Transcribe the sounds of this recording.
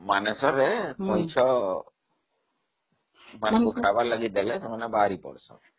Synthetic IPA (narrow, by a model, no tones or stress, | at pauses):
manɛsɔɾekɔjt͡ʃʰɔ | manekukʰabalaɡielɛsɛmanɛbaɾipɔ̰ɽsɔ̰